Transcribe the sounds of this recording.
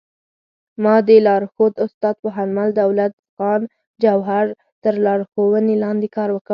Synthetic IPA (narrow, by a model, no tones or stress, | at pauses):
mɑd̪əlɑɾxod̪ʊst̪ɑd̪̚pəɦanmald̪awlat̪ | ɣɑn | d͡ʒawɦaɾ | t̪əɾlɑɾxowənelɑnd̪ekɑɾwəka